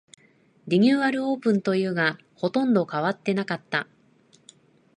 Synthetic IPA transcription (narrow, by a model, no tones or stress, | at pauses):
ɾʲiɲʲɨːβaɾɯ̟o̞ːpɯ̟̃nt̪o̞jɯ̟ːɡa | ho̞t̪õ̞nd̪o̞kaβ̞at̪ːe̞nakat̪ːa